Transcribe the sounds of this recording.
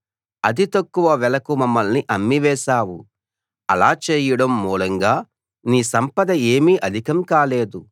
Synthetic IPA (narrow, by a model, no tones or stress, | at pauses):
ɐd̪it̪ɐkːuʋɐʋɛlɐkumɐmːɐlniʔɐmːiʋɛːʃaːwu | ɐlaːt͡ʃeːjɐɽɐmːuːlɐŋɡaː | niːsɐmpɐd̪ɐe̞ːmiːʔɐd̪ʱikɐmkaːleːd̪u